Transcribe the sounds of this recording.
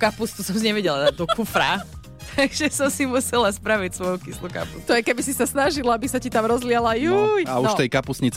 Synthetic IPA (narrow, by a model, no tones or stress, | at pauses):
kapust̪usɔms̬iɲɛʋɛɟɛlad̪aɟd̪ɔkufɾa | t̪ʰaɡʒɛsɔmsimusɛlaspɾaʋicsʋɔjukisluka̰pust̪ɔjɛkɛbisisasnaʒilabisacit̪amɾɔzlɪalajujauʃt̪ɛjkapusɲit͡s